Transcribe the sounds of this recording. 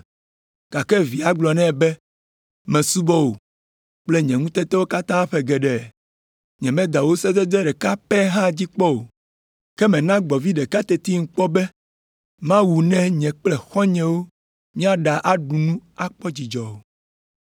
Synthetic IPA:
ka˨kɛ˦vi˨a˨ɡ͡blɔ˨nɛ̃˦˨bɛ˦ | mɛ̃˨su˦bɔ˦wo˨ | k͡ple˦ɲɛ̃˨ŋũ˦t̪ɛ˦t̪ɛ˦wo˦ka˦t̪ã˦ɸɛ˨ɡɛ˨ɖɛ˨ | ɲɛ̃˨mɛ̃˦d̪a˨wo˦sɛ˦d̪ɛ˦d̪ɾɛ˦ɖɛ˨ka˦pɛ˦ɦã˦d͡ʑi˦k͡pɔ˦wo˨ | kɛ˦mɛ̃˨nã˦ɡ͡bɔ˨vi˦ɖɛ˨ka˦t̪ɛ˨t̪i˦ŋ̩˦k͡pɔ˦bɛ˦ | mã˦wu˨nɛ̃˦ɲɛ̃˨k͡plɛ˨xɔ˦ɲɛ̃˨wo˦ | mĩ˦a˨ɖa˨ʔa˦ɖu˨nũ˦a˦k͡pɔ˦d͡ʑi˨d͡ʒɔ˨wo˨

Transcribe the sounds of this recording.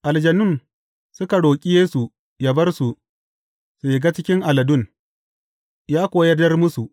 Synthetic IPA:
ʔa˨ld͡ʒɐ˨nʊ˦˨n | sʊ˦ka˨ɽoː˨kʲʼi˦jeː˦su˨ | jɐ˨bɐ˦rsu˨ | su˨je˨ɡa˦t͡ʃɪ˦kʲɪ˦ŋʔa˨lɐ˨dʊ˦n | jaː˦kʷoː˨jɐ˦dɐ˦rmʊ˦su˨ʔ

